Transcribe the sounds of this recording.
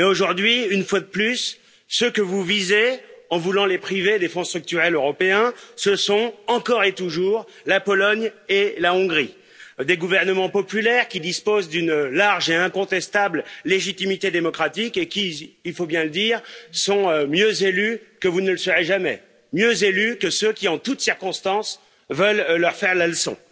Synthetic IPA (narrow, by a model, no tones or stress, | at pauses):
mɛoʒuʁd̪ɥiynfwad̪əplysː | økəvuvizeɑ̃vulɑ̃lepχived̪efɔ̃st̪χyk̚t̪yʁɛløʁɔpeɛ̃səsɔ̃ɑ̃kɔʁet̪uʒuːʁ | lapɔlɔɲelaɔ̃ɡʁi | d̪eɡuvɛʁnəmɑ̃pɔpylɛʁkʲid̪ispozd̪ynlaʁʒeɛ̃kɔ̃t̪ɛst̪ablleʒit̪imit̪ed̪emɔkχat̪ikekʲiːlfobjɛ̃ləd̪iːʁsɔ̃ømjøzelykəvunələsəʁeʒamɛ̰ | mjøzelykəsøkʲiɑ̃t̪ut̪siʁkɔ̃st̪ɑ̃s | vəlːœʁfɛʁlalsɔ̰̃